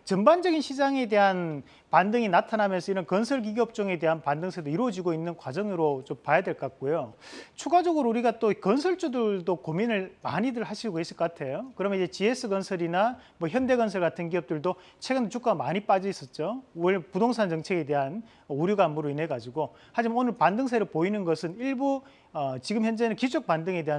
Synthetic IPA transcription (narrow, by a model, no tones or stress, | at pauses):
t͡ɕʌmband͡ʑʌɡinɕʰid͡ʑaŋe̞de̞ɦan | pandɯŋinatʰanamjʌnsʰʌiɾʌnkʌnsʰʌɭɡ̬iɡʌp̚t͡ɕ͈ʌŋe̞de̞ɦanpandɯŋsʰed̪oiɾwʌd͡ʑiɡoinːɯnkwad͡ʑʌŋɯɾot͡ɕompwajadweɭk͈ak̚k͈ojot͡ɕʰuɡad͡ʑʌɡɯɾouɾiɡat͈oikʌnsʰʌɭt͡ɕ͈udɯɭdokominɯɭma̰ɲidɯɭɦaɕʰiɡohes͈ʰɯk͈ʌk͈atʰe̞jokɯɾʌmʌnid͡ʑe̞t͡ɕie̞s͈ʰɯɡʌnsʰʌɾinamʌçjʌnde̞ɡʌnsʰʌɭɡatʰɯnkiʌp̚t͈ɯɭdo | t͡ɕʰe̞ɡɯndet͡ɕʰuk͈aɡamaɲip͈ad͡ʑʌis͈ʌt̚t͡ɕ͈ouɭpudoŋsʰant͡ɕʌŋt͡ɕʰe̞ɡe̞de̞ɦan | ʌuɾjuɡaːmbuɾoine̞ɡad͡ʑiɡo | had͡ʑimanonɯɭpandɯŋs̬ʰeɾɯɭpoinɯnɡʌsʰɯniɭbu | ʌt͡ɕiɡɯmçjʌnd͡ʑenɯnkit͡ɕʰok̚pandɯŋe̞de̞ɦa